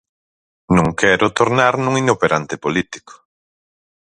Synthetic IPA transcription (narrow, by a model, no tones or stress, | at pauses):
nũŋkʰɛɾʊt̪oɾnaɾnũŋinopeɾant̪epolit̪i̥ko̥